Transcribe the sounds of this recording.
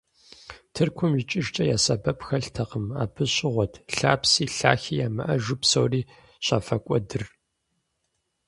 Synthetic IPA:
tʰɨrkʷʰʊmɪt͡ʃʼɪʒt͡ʃʼɐjaːsɐbɐpxɐɬtʰɐqəma̰ːbʰɨɕʼɪʁʷɔtʰɬaːpsiːɬaːxiːjaːmɨ̰ʔɐʒʊpsowriː | ɕaːfɐkʷʼɔdɨr

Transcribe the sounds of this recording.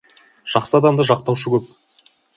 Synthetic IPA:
ʒ̥ɑqsəɑd̪ɑmd̪əʒɑqt̪ɑwʃəkʰʲɵp̚

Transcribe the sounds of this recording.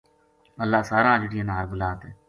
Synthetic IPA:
ɐlːaːsaːɾãːlɪʈijãnaːɾbʊlaːt̪ɦeː

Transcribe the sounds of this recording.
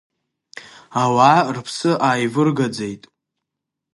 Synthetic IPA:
awaːrpʰsɨʔaːjvɨrɡad͡zejtʼ

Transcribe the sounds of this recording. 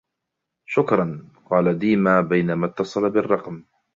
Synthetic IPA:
ʃʊkɾˤɑnqɑːlad̪iːmaːbajnamat̪ːɑsˤɑlabɪrˤːɑqm

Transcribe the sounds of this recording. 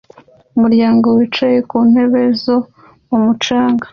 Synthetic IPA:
umuɾjaːŋɡo̞wit͡ʃaje̞kuːn̥he̞βe̞zo | umut͡ʃaːŋɡḁ

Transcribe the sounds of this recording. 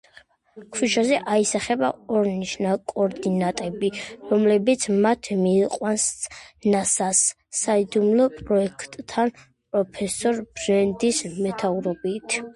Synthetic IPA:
kʰwiʃazɛʔaisaχɛbaɔɾniʃnakʼɔɾd̪inat̪ʼɛbiɾɔmlɛbit̪sʰmat̪ʰmiːqʼwansnasasː | aid̪umlˠɔpʼɾɔɛkʰt̪ʼʰːan | pʼɾɔpʰɛsɔɾbɾɛnd̪ismɛt̪ʰauɾɔbit̪ʰ

